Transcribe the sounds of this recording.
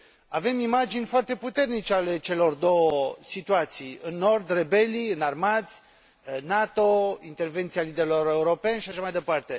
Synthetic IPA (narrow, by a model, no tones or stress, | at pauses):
ave̞mimad͡ʒinʲfoart̪e̞put̪e̞rnit͡ʃeale̞t͡ʃe̞lo̞rd̪o̞wəsit̪uat̪sijɨnːo̞rd̪re̞be̞lijɨnarmat̪sʲ | nat̪o̞int̪e̞rve̞nt̪sialid̪eɾelo̞ɾe̞uɾo̞pe̞nʃiaʃamajd̪e̞part̪e̞